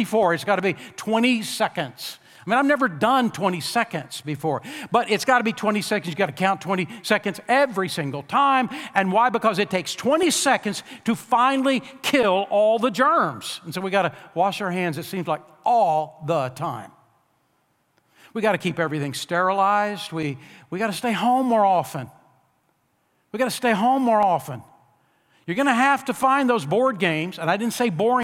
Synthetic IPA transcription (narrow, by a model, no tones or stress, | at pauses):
ɨfɔɹɨtsɡ̥ɑɾəbitʰw̥ɛ̃ɾ̃isɛkɨ̃ndz̥ | aɪmĩñaɪvnɛvə˞dʌ̃ntʰw̥ɛ̃ɾ̃isɛkɨ̃ndz̥bɨfɔɹb̥ʌɾɪtsɡ̥ɑɾəbitʰw̥ɛ̃ɾ̃isɛkɨ̃ndzjɨɡɑɾɨkʰãʊ̃ntʰw̥ɛ̃ɾ̃isɛkɨ̃ndzɛvɹisɪ̃ŋɡl̩ˠtʰãɪ̃mɨ̃nwaɪbɨkʌzɨtʰeɪkstʰw̥ɛ̃ɾ̃isɛkɨ̃ndz̥tʰɨfãɪ̃nl̩ˠikʰɪlˠɔlˠðəd͡ʒɜ̃˞mz̥n̩soʊwiɡɑɾɨwɑʃəə˞ɦæ̃ndzɨtsĩmzlaɪk̚ʔɔlˠðətʰãɪ̃m | wiɡɑɾɨkʰipɛvɹiθɪ̃ŋstɛɹəlaɪzd̚wiwiɡɑɾɨsteɪɦõʊ̃mːɔɹɑfə̃n | wiɡɑɾɨsteɪɦõʊ̃mːɔɹɑfə̃n | jə˞ɡʌñɨɦæftɨfãɪ̃nðoʊzbɔɹd̚ɡẽɪ̃mzɨ̃naɪdɪdⁿn̩tseɪbɔɪ̃